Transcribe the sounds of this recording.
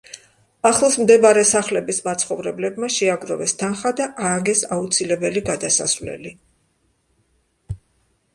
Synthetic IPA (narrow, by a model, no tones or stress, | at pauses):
aχlˠsmd̪ɛbaɾɛsaχlɛbismat̪sʰχɔvɾɛblɛbmaʃɛaɡɾɔvɛst̪ʰanχad̪aʔaːɡɛsaut̪sʰilɛbɛliɡad̪asa̰svlɛ̰li